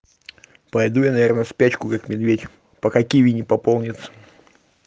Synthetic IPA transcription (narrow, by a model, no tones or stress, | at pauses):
pɐjd̪ujanɐvʲernəspʲæt͡ɕkʊkakmʲɪd̪vʲetʲ | pəkakʲivʲinʲɪpɐpolˠnʲɪt̪sə̥